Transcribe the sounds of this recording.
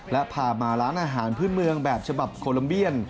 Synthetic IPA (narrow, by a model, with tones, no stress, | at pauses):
lɛ˦˥pʰaː˨˩maː˧ɾaː˦˥nʔaː˧ɦaː˩˦npʰɯː˥˩nmɯ˧əŋbɛː˨˩p̚t͡ɕʰa˧ba˨˩p̚kʰoː˧la˧mbi˥˩ən